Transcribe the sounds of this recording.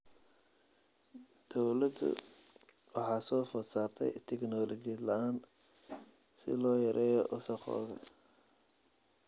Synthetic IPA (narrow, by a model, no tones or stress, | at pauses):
d̪̥ɔwlɐd̪ʊ̰ | wɑħɑːsɔːfɔd̪saːrt̪ʰɛ̰jt̪ʰɛɡnɔːlɔt͡ʃɪjɐd̪lɐʔaːn | sɪ̰lɔːjɐɾʔɛːjɔ̰ʔɔsɐχɔ̰ːðɐ̰